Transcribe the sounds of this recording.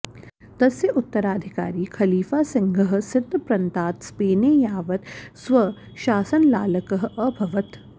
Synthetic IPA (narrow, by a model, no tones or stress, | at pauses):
t̪ɐseʔʊt̪ːɐɾaːd̪ʱɪkaːɾiːkʰɐliːfaːsɐ̃ŋɡʱɐɦsɪɾt̪pɾɐ̃nt̪aːt̪speːnejaːʋɐt̪sʋɐ | ʃaːsɐnlaːlɐkɐɦ̆ɐbʱɐʋɐt̪